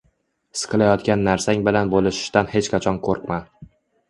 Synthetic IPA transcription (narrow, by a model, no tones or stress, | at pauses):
sɨ̥qʰɨlajɒt̪kʲanːaɾsaŋbɪlanbolɪʃɪ̥ʃt̪anhe̞t͡ʃqʰɑt͡ʃʰɒnkʰoɾpma